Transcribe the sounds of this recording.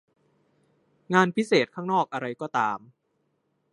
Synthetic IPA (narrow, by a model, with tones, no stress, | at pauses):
ŋaː˧npʰi˦˥seː˨˩t̪̚ʰaː˥˩ŋnɔː˥˩k̚ʔa˧ɾa˧jkɔː˥˩t̪aː˧m